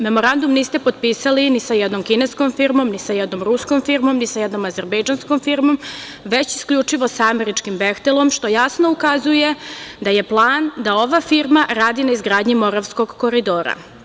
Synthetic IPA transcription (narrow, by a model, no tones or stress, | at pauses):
me̞mo̞ɾand̪umniːst̪e̞pod̪piːsalinisajɛd̪no̞mkinesko̞mfiɾmo̞mnisajɛd̪no̞mɾuskomfiɾmo̞mnisajɛd̪no̞mazeɾbejd͡ʒanskomfiɾmo̞m | ʋe̞t͡ɕi̥skʎut͡ʂiʋo̞saame̞ɾit͡ʃkimbext̪elˠo̞mʃt̪o̞jasno̞ukazuje̞d̪aje̞plˠaːnd̪ao̞ʋafiɾmaɾaːd̪inaizɡɾaːd̪ɲimo̞ɾaʋsko̞ɡko̞ɾid̪oːɾa̰